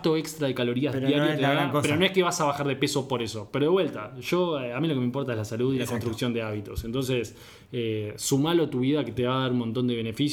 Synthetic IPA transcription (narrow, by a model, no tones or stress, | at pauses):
t̪o̞ekst̪ɾaðekalo̞ɾiazðjaɾjot̪eapeɾonoehkeβ̞asaβaxaɾðe̞peso̞po̞ɾesopeɾoðewe̞lt̪aʃoamilo̞kemempo̞ɾt̪aezlasaluðilakonst̪ɾuksjo̞nd̪eaβit̪o̞sent̪o̞nses | eːumalot̪uβiðaket̪eβaðaɾunmont̪o̞nd̪e̞βene̞fis